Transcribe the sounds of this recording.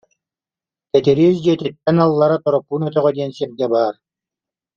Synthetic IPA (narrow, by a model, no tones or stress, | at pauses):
kɛt̪iɾiːsd͡ʑiɛt̪it̪ːɛnalˠːaɾat̪ɔɾɔpːuːnœt̪œʁœd̪iɛnsɛɾɡɛbaːɾ